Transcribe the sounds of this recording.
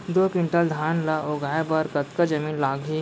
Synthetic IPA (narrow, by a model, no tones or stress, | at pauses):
d̪oːkɪ̃ɳʈəld̪ʱaːnlaʔoɡaːebɐɾkɐt̪kad͡ʒɐmiːnlaːɡʱi